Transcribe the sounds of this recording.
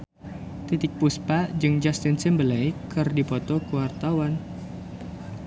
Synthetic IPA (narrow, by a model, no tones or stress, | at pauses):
t̪it̪ɪk̚puspad͡ʒɨŋd͡ʒast̪ɪnsɛmbəlajkːɨrdipɔt̪ɔkuwart̪awan